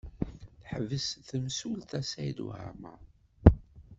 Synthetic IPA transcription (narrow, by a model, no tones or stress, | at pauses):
θħvəsθəmsult̪æsæjd̪ṵhæ̰mə